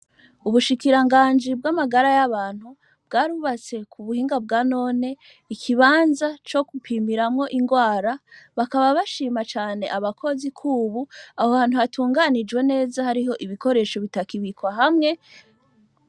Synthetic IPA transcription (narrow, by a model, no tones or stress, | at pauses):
uβuʃikiɾaŋɡaːnd͡ʒibɡamaɡaɾajaβaːn̥hu | b̥ɡaːɾuβat͡se̞kʰuβuhiːŋɡab̚ɡaːno̞ːne̞ | ikʰiβaːnzat͡ʃo̞kupʰiːmiɾamŋo̞ʔiŋɡwaːɾaβakaβaβaʃiːmat͡ʃaːne̞̰ʔaβakʰo̞zikʰuːβuahohaːn̥huhatʰuːŋɡanid͡ʒwe̞ne̞ːzahaɾiɦo̞ʔiβiko̞ɾe̞ʃo̞βitakiβikwaɦamŋe̞